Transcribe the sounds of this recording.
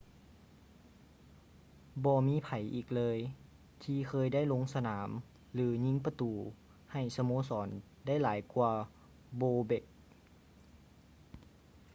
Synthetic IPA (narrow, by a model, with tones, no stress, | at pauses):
bɔː˧miː˧˥˨pʰa˨˩˦jʔiː˨˩k̚lɤː˧j | t̪ʰiː˧kʰɤː˧jda˥˩jlo˧ŋsa˧naː˩˦m | lɯː˩˦ɲi˧˥˨ŋpa˧t̪uː˨˩ | ha˨˩jsa˧moː˧˥sɔː˩˦n | da˥˩˨jlaː˩˦jkwaː˧ | boː˧be˨˩k̚